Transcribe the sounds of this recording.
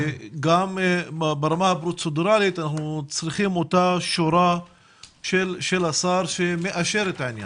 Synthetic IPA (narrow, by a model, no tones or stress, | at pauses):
ɡambaɾˤɑmahbɾut̪sod̪ɾaːlit̪anaħnut͡sˤɾixiːmot̪aʃoɾˤa | ʃelʃelasɑɾˤʃemeʔaʃeɾet̪ʕɪnja̰n